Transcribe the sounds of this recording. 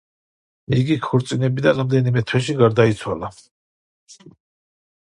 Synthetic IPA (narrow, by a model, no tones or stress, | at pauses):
iɡikʰuɾt̪sʼinɛbid̪aɾamd̪ɛnimɛt̪ʰwɛʃiɡaɾd̪ait̪sʰwala